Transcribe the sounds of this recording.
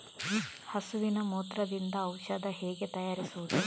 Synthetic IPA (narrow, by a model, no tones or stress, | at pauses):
hɐsuʋinɐmuːt̪ɾɐd̪ind̪ɐːwʃɐd̪ɐɦɛːɡet̪ɐjaːɾisuʋud̪u